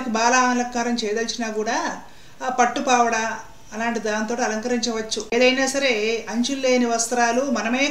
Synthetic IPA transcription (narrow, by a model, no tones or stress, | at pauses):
kubaːlaːnlɐkːaːɾɐmt͡ʃɛːjd̪ɐlsinaːkuːɽaː | pɐʈːupaːʋɐɽɐ | ɐlaːɳʈid̪aːnt̪o̞ːʈiɐlɐŋkɐɾiɲt͡ʃɐʋɐt͡ʃːueːd̪ɐjnaːsɐɾe̞ɐɲt͡ʃulːeːniʋɐst̪ɾaːlumɐnɐmeː